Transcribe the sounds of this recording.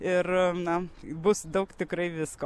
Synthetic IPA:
ɪrnɐbʊsd̪ɐʊkt̪ʲɪkɾɐɪʋʲɪsko

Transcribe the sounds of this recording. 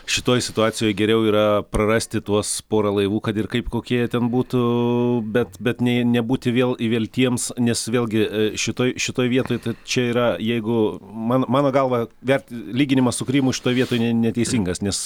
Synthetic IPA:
ʃʲɪt̪oːjsʲɪt̪ʊɑːsʲɪjoːjɡʲɛɾʲɛʊiːɾɐprɐrɑsʲt̪ʲɪt̪uɔspoːɾɐlˠɐɪʋuːkɐt̪ɪrkɐɪpkoːkʲiɛt̪ʲɛnbuːt̪ʊbʲɛt̪bʲɛt̪nʲɛnʲɛbuːt̪ʲɪʋʲeːlˠɪʋʲeːlʲt̪ʲiɛmsnʲɛsʋʲeːlʲˠɡʲɪʃʲɪt̪oːjʃʲɪt̪oːjʋʲiɛt̪oːjt̪ɐɪt͡ʃʲɛiːɾɐjɛɪɡʊmɑːnmɑːnoːɡɐlˠʋɐʋʲɛrʲt̪ʲlʲiːɡʲɪnʲɪmɐsʊkɾʲiːmʊʃʲɪt̪oːjʋʲiɛt̪oːjnʲɛnʲɛt̪ʲɛɪsʲiːŋɡɐsnʲɛs

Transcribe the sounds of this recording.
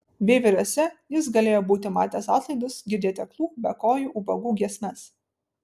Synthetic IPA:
bʲeːʋʲɪɾʲoːsʲɛjɪs̬ɡɐlʲeːjoːbuːt̪ʲɪmɑːt̪ʲeːsɑːt̪lˠɐɪd̪ʊsɡʲɪɾʲd̪ʲeːt̪ʲɛklˠuːbʲɛkoːjuːʔubɐɡuːɡʲiɛsʲnʲɐs

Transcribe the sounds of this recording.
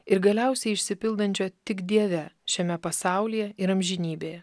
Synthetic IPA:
ɪɾɡɐlʲɛˑʊsʲɛɪɪʃʲsʲɪpʲɪlˠd̪ɐnʲt͡ʃʲoːt̪ʲɪkd̪ʲiɛʋʲɛʃʲɛmʲɛpɐsɑˑʊlʲiːjɛɪɾɐmʲʒʲɪnʲiːbʲeːjɛ

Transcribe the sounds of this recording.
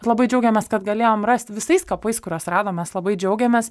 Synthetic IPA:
lˠɐbɐɪd͡ʒʲɛʊɡʲɛmʲɛːskɐt̪ɡɐlʲeːjoːmrɐsʲt̪ʋʲɪsɐɪskɐpɐɪskʊɾʲuɔsrɑːd̪oːmʲɛslˠɐbɐɪd͡ʒʲɛʊɡʲɛmʲeːs

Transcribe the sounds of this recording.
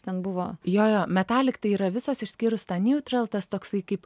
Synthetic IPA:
t̪ʲɛnbʊʋoːjoːjoːmʲɛt̪ɑːlʲɪkt̪ɐɪiːɾɐʋʲɪsoːsɪʃʲsʲkʲiːɾʊst̪ɑnʲuːt̪ʲrɐlˠt̪ɐst̪oːksɐɪkɐɪp

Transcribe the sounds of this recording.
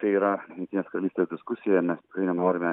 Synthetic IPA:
t̪ɐɪiːɾɐjʊŋkt̪ʲineːskɐɾɐlʲiːst̪ʲeːsd̪ʲɪskʊsʲɪjɛmʲɛst̪ʲɪ̥kɾɐɪnʲɛnoːɾʲɪmʲɛ

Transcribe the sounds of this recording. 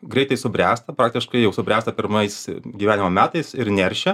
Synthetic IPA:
ɡɾʲɛɪt̪ɐɪsʊbʲɾʲæːst̪ɐpɾɑːk̚t̪ʲɪʃkɐɪjɛʊsʊbʲɾʲæːst̪ɐpʲɪɾmɐɪsɡʲiːʋʲæːnʲɪmomʲæːt̪ɐɪsɪɾnʲɛɾʲʃʲɛ

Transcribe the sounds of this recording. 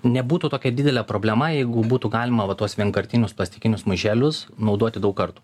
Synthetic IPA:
nʲɛbuːt̪ut̪oːkʲɛd̪ʲɪd̪ʲɛlʲɛpɾoːbʲlʲɛmɐjɛɪɡʊbuːt̪uːɡɑːlʲɪmɐʋɐt̪uɔsʋʲiɛŋkɐɾʲt̪ʲɪnʲʊsplˠɐsʲt̪ʲɪkʲɪnʲʊsmʊʒʲæːlʲʊsnɒʊd̪oɔt̪ʲɪd̪ɐʊkɐɾt̪uː

